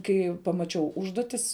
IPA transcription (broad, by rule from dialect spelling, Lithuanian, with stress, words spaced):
ˈkɐɪ pɐmɐˈt͡ʃʲɛʊ ˈʊʒduɔtʲɪs